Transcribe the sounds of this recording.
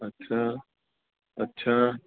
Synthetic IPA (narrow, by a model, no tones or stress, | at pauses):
ətːɕʰaː | ɐtːɕʰaː